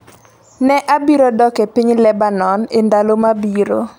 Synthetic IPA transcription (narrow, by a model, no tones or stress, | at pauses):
nɛʔabiɾodɔkepiɲlɛbanɔnendalomabiɾo̰